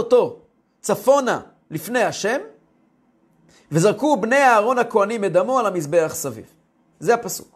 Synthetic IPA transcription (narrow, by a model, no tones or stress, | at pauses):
oto̞ | t͡safo̞na̰ | lifne̞jaʃe̞m | vezaʁkubne̞jaːʁo̞nakoanimed̪amoalhamisbe̞aχsavḭv | zehapasu̥̰k